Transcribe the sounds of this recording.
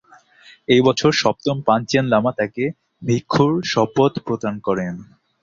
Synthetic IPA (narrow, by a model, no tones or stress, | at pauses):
ejbɔt͡ɕʰoɾʃɔp̚t̪ompant͡ɕenlamat̪ake | bʱikʰːuɾʃɔpot̪pɾot̪ankɔɾen